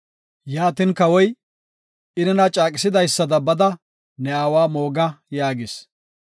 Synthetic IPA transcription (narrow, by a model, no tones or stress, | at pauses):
jaːt̪ɪnkɐwɔj | ʔɪnɛnɐt͡ʃʼaːkʼɪsɪd̪ɐjsːɐd̪ɐbɐd̪ɐ | nɛaːwaːmo̞ːɡɐjaːɡɪs